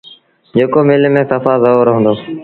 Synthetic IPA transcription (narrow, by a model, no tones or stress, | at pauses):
d͡ʒeːkoːmeːlːmẽːsəfaːzəoːɾəɦə̃nd̪oː